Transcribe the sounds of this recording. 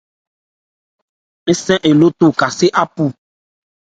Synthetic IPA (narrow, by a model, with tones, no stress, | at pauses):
e˦sɛ̃˦ʔe˨lo˦t̪o˦ka˨se˦ʔa˦pu˦